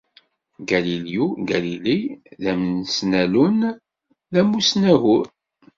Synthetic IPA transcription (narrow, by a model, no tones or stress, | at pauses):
ɡæliljuɡæliliðæmnsnælun | ðæmːusnæɦuɾ